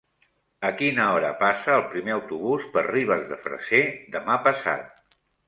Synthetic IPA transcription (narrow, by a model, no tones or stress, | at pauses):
əkinəɔɾəpasəːlˠpɾimeəwt̪uβuspəriβ̞əzðə̰fɾə̰sed̪əmapəsa̰t̪̚